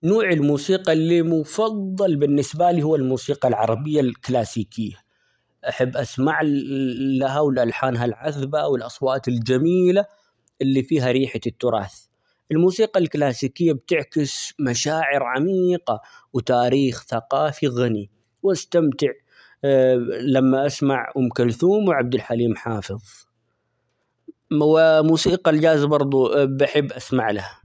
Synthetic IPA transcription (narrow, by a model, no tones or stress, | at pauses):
noːʕɪlmuːsiːqɑlːimʊfɑðˤːɑlbɪnːɪsbaliːhʊwːalmuːsiːqɑlʕɑ̰ɾˤɑbɪjːalklaːsiːkɪjːa | ʔaħabːʔasmaʕ | laɦawɪlʔalħaːnɦalʕaðbawɪlʔɑsˤwɑːt̪ɪld͡ʒamiːla | ʔɪlːifiːɦaɾiːħat̪ːʊɾˤɑ̰ːθ | ʔɪlmuːsiːqɑlklaːsiːkɪjːabt̪ɪʕkɪsmaʃaːʕɪɾʕamiːqawt̪aːɾiːxθaqɑːfiɣani | wʔast̪amt̪ɪʕ | lamːaʔasmaʕʔʊmkalθuːmwʕab̚d̪ɪlħaliːmħaːfɨðˤ | wɪmuːsiːqɑld͡ʒaːzbɑɾˤd̪ˤubaħɪbːʔasmaʕlaha